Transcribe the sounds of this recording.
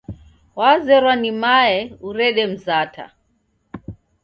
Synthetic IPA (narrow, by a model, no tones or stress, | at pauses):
wazɛɾwanimaɛuɾɛɗɛm̩zatʰa̰